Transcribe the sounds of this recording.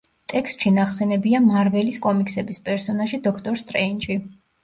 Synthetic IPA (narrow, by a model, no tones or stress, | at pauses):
t̪ʼɛkst̪ʼʃinaχsɛnɛbiamaɾvɛliskʼɔmiksɛbispʼɛɾsɔnaʃid̪ɔkʰt̪ʼɔɾst̪ʼɾɛint͡ʃʼi